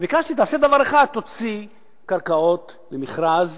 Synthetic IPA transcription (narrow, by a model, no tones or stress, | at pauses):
bikaʃt̪it̪aːsed̪avaʁeχad̪̚t̪ot͡si | kaʁkao̞t̪ | lemiχɾaz